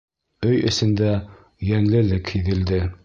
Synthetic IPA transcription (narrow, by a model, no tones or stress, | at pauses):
ɵjɵ̰̆sɘ̆nd̪æ | jænlɘ̆lɘkhiðɘ̆ld̪ɘ